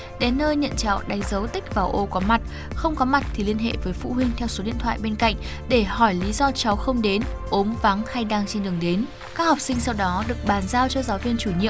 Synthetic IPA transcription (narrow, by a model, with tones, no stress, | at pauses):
ɗe˨˦nːəː˧jɲə̰˧˨nt͡ɕa̰ː˧˨ŋɗa˨˦ŋzə˨˦wt̪ï˦˥k̟̚vaː˨˩wʔo˧kɔ˨˦ma˨˩t̚ | xə˧wŋ͡mkɔ˨˦ma˨˩t̚t̪ʰi˨˩li˧ənɦḛ˧˨vəː˨˦jfṵ˧˨ɦwï˧ŋ̟t̪ʰɛ˧wso˨˦ɗḭ˧˨ənt̪ʰwa̰ː˧˨jɓe˧nka̰˧˨jŋ̟ | ɗe˧˩hɔ˧˩jli˨˦zɔ˧t͡ɕa˨˦wxə˧wŋ͡mɗe˨˦n | ʔo˨˦mva˨˦ŋha˧jɗaː˧ŋt͡ɕe˧nɗɨ˨˩əŋɗe˨˦n | kaː˦˥k̚hɔ˨˩p̚sï˧ŋ̟sa˧wɗɔ˨˦ɗɨ˨˩ək̚ɓaː˧˨˩nzaː˧wt͡ɕɔ˧zaː˨˦wvi˧ənt͡ɕu˧˩ɲḭ˧˨ə